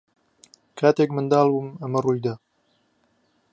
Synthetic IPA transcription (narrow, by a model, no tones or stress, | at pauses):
kʰaːt̪eːkmɨnd̪ɑːlbuːmɐmɐruːjd̪ɐ